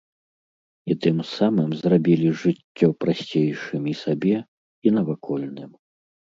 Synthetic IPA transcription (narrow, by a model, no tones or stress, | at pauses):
it̪ɨmsamɨmzrabʲilʲiʐɨt͡sʲːɔpɾasʲt͡sʲejʂɨmʲisabʲɛ | inɐvakʰɔlʲnɨm